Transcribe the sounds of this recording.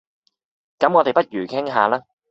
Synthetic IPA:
kɐ˨˥mŋɔː˨˧t̪e˨jpɐ˥t̚jyː˨˩kʰɪ˥ŋɦaː˨˧laː˥

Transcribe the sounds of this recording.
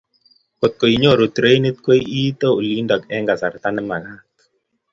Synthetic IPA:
ko˨t̪̚ko˨i˨ɲo˦˨ɾo˨t̪ɾe˦jni˦t̪̚kwe˦ji˦t̪o˦u˨li˦nda˨kɛ˦ŋɡa˨sa˨ɾt̪a˦nɛ˦ma˨ŋa˦k

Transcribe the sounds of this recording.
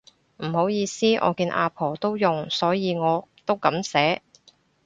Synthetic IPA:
m̩˨˩ho˨˥wjiː˨˧siː˥ʔɔ̰ː˨˧kiː˧nʔa̰ː˨˧pʰɔː˨˩t̪o˥wjʊ˨ŋsɔː˨˥jiː˨˧ŋɔː˨˧t̪o˥wkɐ˨˥msɛː˨˥

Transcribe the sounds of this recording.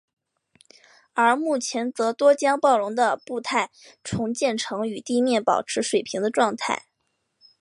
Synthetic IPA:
ə˞˧˥mu˥˩t͡ɕʰjɛ˧˥nt͡sɤ˧˥t̪wɔ˥t͡ɕjɑ˥ŋpɑ˥˩ʊɻʊ˧˥ŋd̪ə˧pu˥˧t̪ʰa˥˩ɪ | ʈ͡ʂʰʊ˧˥ŋt͡ɕjɛ˥˩nʈ͡ʂʰɤ˧˥ŋy˨˩t̪i˥˧mjɛ˥˩npɑ̰˨˩ʊʈ͡ʂʰɻ̩˧˥ʂwe˨˩ɪpʰi˧˥ŋd̪ə˧ʈ͡ʂwɑ˥˧ŋt̪ʰa̰˥˩ɪ

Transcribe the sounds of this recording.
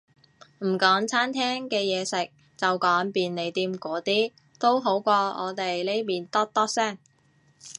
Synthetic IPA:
m̩˨˩kɔː˨˥ŋt͡sʰaː˥nt̪ʰɛː˥ŋkɛː˧jɛː˨˧sɪ˨k̚ | t͡sɐ˨wkɔː˨˥ŋpiː˨nle˨˩jt̪iː˧mkʷɔː˨˥t̪iː˥ | t̪o˥wɦo˨˥wkʷɔː˧ɔ̰ː˨˧t̪e˨jle˥jmiː˨nt̪ɔː˥t̪ɔː˥sɛː˥˩ŋ

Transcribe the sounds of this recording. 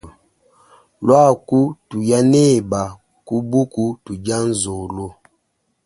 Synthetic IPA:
lwa˦˨ku˦tu˨ja˦nɛ˦˨ba˨ | ku˦bu˦ku˦tu˨d͡ʒa˦n˦zo˨lo˦

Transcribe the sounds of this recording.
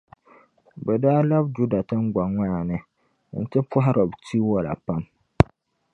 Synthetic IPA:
bɛ˨daː˦la˦bd͡ʒu˦da˨tɨ˦ŋ˦ɡ͡ba˨ŋʷa˦˨nɨ˦ | n̩˨tɨ˦pʊ˦ɦa˦ɾɔ˨btʰi˦wɔ˦la̰˨pa˦m

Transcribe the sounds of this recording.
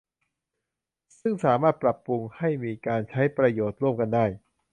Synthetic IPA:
sɯ˥˩ŋsaː˩˦maː˥˩t̪̚pɾa˨˩pːɾu˧ŋha˥˩jmiː˧kaː˧nt͡ɕʰa˦˥jpɾa˧joː˨˩t̪̚ɾu˥˩əmka˧ndaː˥˩j

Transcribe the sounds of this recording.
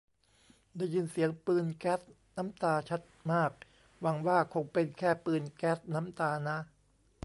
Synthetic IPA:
da˧˥˩jːɯː˧nsi˩˦əŋpɯː˧nkɛː˦˥t̪̚ | na˦˥mt̪aː˧t͡ɕʰa˦˥t̪̚maː˥˩k̚ | wa˧ŋwaː˥˩kʰo˧ŋpe˧nkʰɛː˥˩pɯː˧nkɛː˦˥t̪̚na˦˥mt̪aː˧na˦˥

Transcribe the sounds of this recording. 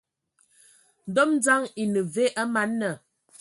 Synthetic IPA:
n̩˨dɔ˦mn˦d͡za˦ŋi˨nə˨ve˦ʔa˦ma˨˦nːə˨

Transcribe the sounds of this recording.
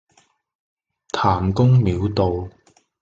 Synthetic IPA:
t̪ʰaː˨˩mkʊ˥ŋmiː˨˧wt̪o˨w

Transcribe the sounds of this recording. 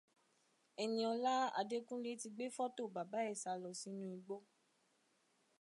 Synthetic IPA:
ɛ˨nĩ˧ɔ˧la˦a̰˧de˦kũ˦le˦ti˧ɡ͡be˦fɔ˦to˦˨ba˨ba˨˦ɛ˦˨sa˧lɔ˨si˨˦nũ˦i˧ɡ͡bo˦

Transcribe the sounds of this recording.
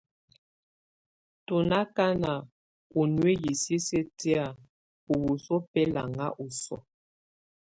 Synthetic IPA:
tu˨na˦ka˦na˨ | u˨nwe˦ji˨si˦se˦te˦a˨ | u˨bu˨so˦pɛ˦la̰˨ŋa̰˦ʔu˨sɔ̰˨

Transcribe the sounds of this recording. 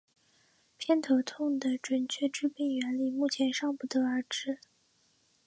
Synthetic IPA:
pʰjɛ˥˧nt̪ʰɤ˧˥t̪ʰʊ˥˩ŋd̪ə˩ʈ͡ʂwə˨˩nt͡ɕʰɥɛ˥˩ʈ͡ʂɻ̩˥pi˥˩ŋɥɛ˧˥nli˨˩mu˥˩t͡ɕʰjɛ˧˥nʂɑ˥˧ŋpu˧˥˩t̪ɤ˧˥ə˞˧˥ʈ͡ʂɻ̩˥

